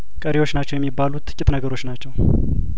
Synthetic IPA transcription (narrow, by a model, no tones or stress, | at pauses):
kʼəɾewo̞t͡ʃːnat͡ʃːɛwjɛmːibːalut̪ʼːɨ̥kʲʼɪt̪ʼnəɡəɾo̞t͡ʃːnat͡ʃːɛw